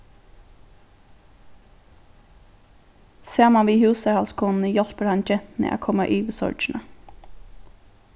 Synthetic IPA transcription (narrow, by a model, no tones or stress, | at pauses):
seːmɑʋiːhʉːsəɹhɑlskʰuːnn̩əjɔlpəɾɑnd͡ʒɛt̪n̩ə̰ʔæ̰ːkʰɔmɑʔiːʋəsɔ̰ɹd͡ʒɳə̰